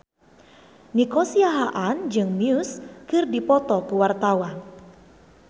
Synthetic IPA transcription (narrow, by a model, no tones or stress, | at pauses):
nikɔsiaɦaʔand͡ʒɨŋmiuskɨrdipɔt̪ɔkuwart̪awan